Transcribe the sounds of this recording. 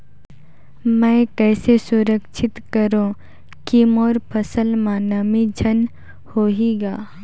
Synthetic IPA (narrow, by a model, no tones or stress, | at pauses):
mɛ̃kɛːsesʊɾəkʃʰɪt̪kɐɾõ | kimɔːɾpʰɐsəlmaːnəmid͡ʒʱɐn | hoːɦiːɡaː